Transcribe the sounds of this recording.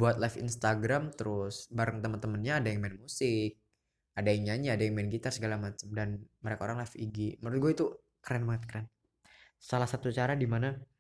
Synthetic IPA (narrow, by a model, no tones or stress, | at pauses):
buat̪̚lɛfḭnst̪aɡɾamt̪əɾʊsbaɾəŋt̪əmənt̪əmənɲaːdajaŋmɛnmusɪk̚ | adaiŋɲaɲaːdajaŋmɛnɡit̪arsəɡalamat͡ʃəmdanməɾekaoɾaŋlɛfiɡiməɾʊt̪̚ɡuait̪u | kəɾɛnbəŋət̪̚kəɾɛn | salahsat̪ut͡ʃaɾadimana